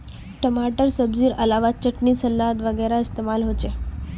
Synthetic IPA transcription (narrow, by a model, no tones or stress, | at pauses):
ʈəmaʈəɾsəbd͡ʑiːɾəlaʋat̪̚t͡ɕəʈɳiːsəlːat̪ʋəɡəjɾaist̪emalɦot͡ɕe